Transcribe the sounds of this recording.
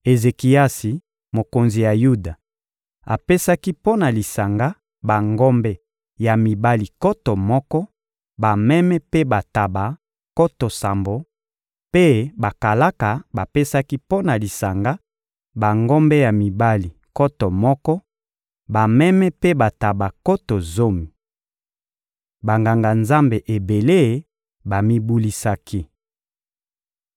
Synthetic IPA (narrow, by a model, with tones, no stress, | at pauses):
e˨ze˨ki˨ja˦si˨ | mo˨ko˨nzi˨ja˨ju˦da˨ | a̰˨pe˦sa˦ki˦po˦na˨li˨sa˨ŋɡa˦ | ba˨ŋɡɔ˦mbɛ˦ | ja˨mi˨ba˦li˨kɔ˦tɔ˨mɔ˦kɔ˦ | ba˨mɛ˦mɛ˦pe˦ba˨ta˨ba˨ | kɔ˦to˨sa˨mbo˨ | pe˦ba˨ka˨la˦ka˨ba˨pe˦sa˦ki˦po˦na˨li˨sa˨ŋɡa˦ | ba˨ŋɡo˦mbɛ˦ja˨mi˨ba˦li˨ko˦tɔ˨mɔ˦kɔ˦ | ba˨mɛ˦mɛ˦pe˦ba˨ta˨ba˨ko˦to˨zo˦mi˨ | ba˨ŋɡa˨ŋɡa˨nza˦mbe˨ʔe˨be˨le˦˨ | ba˨mi˦bu˦li˦sa˦kʰi˦